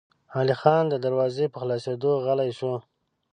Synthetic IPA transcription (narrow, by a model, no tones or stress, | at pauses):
hɑlixɑnd̪əd̪aɾwɑzepəxlɑsed̪oɣalajʃo